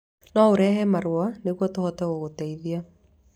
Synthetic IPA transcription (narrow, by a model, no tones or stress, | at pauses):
nɔoɾɛɦɛmaɾwanekwɔtohɔtɛɣoɣotaiðia